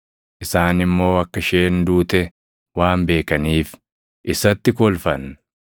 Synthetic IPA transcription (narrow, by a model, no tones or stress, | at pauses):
ʔɪsaːnɪmːo̞ːɐkːɐʃe̞ːnd̪uːt̪ɛ | waːmbe̞ːkɐniːf | ʔɪsɐt̪ːɪkɔlfɐn